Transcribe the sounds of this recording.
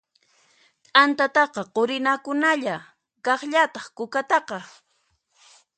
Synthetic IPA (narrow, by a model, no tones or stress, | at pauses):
t̪ʼant̪at̪ɑqɑqoɾɪnakʊnaʎa | kɑχʎat̪ɑχkʊkat̪ɑqɑ